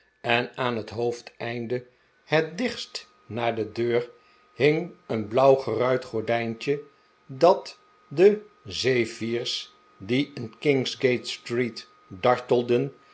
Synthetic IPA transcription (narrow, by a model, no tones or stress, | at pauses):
ʔɛnaːnɦətɦowftɛjndə | hɛt̚dɪχst | naːɹdədøːɹ | hɪŋənblʌwχərœɥtχɔɹdɛjnt͡ʃə | dɑt | də | zejviːɹs | diɪnkɪŋzɡejtstrit | dɑɹtəlˠdən